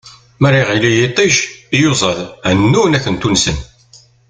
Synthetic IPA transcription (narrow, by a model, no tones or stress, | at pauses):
mærːiʁilijit̪ˤːiʃijozˤəðænːunækːənt̪unsən